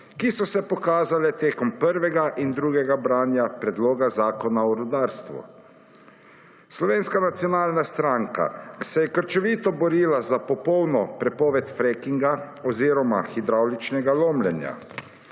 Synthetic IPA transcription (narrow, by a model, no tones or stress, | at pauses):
kisɔsɛpɔkaːzalɛt̪eːkɔmpəɾʋɛɡaʔind̪ɾuːɡɛɡabɾaːnjapɾɛd̪loːɡazaːkɔnaɔɾɔd̪aːɾst̪ʋṵ | slɔʋeːnskanat̪sjɔnaːlnast̪ɾaːŋka̰sɛjɛkəɾt͡ʃɔʋiːt̪ɔbɔɾiːlazapɔpɔwnɔpɾɛpɔːʋɛt̪fɾekiŋɡa | ɔziːɾɔmaxid̪ɾawlit͡ʃnɛɡaloːmlʲɛnja̰